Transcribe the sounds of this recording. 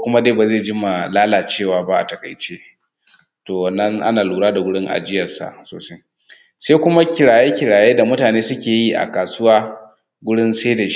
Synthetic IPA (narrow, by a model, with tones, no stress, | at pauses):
kʷʊ˦ma˦deː˦˨ba˨zeː˦˨d͡ʒɪ˦ma˨laː˦laː˨t͡ʃeː˦˨waː˨ba˦ʔa̰˨tɐ˨ka̰˨jt͡ʃeː˦ | toː˨wɐ˨nːɐ˦ŋʔa̰˦naː˨luː˨ɽaː˦da˨ɡʷʊ˦ɽɪ˦ŋʔa̰˨d͡ʒɪ˦jɐ˨sa̰˨ʔsoː˨sa˦j | seː˦kʷʊ˦ma˦kʲɪ˨ɽaː˨je˦kʲɪ˨ɽaː˨jeː˦da˨mʊ˦taː˨neː˦sʊ˦kʲeː˨ji˦ʔa̰˨kaː˨sʊ˦waː˦ | ɡʷʊ˦ɽɪ˦nse˦da˨ʃ